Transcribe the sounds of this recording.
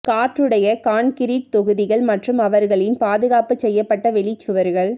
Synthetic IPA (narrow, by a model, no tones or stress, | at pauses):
kaːʈrɯɽɐjɐkaːɳkɪɾiʈ̚t̪ɔɣɯðɪɣɐɭmɐʈrɯmɐʋɐɾɣɐɭɪnpaːðɯɣaːpɯt͡ʃɛjːɐpːɐʈːɐʋɛɭɪt͡ʃːɯʋɐɾɣɐɭ